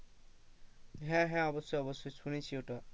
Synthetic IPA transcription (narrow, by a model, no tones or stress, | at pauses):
ɦɛ̃ɦɛ̃ɔbɔsːojɔbɔsːojt͡sʰunit͡ɕʰiotɔ